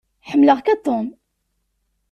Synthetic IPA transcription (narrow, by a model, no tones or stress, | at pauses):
ħəmːləʁkat̪ˤːom